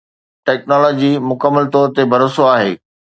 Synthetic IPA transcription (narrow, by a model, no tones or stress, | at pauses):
ʈɛːknɔːlɔːd͡ʑimʊkəmːəlt̪ɔːɾt̪ebʱɐɾoːsoaːɦḛː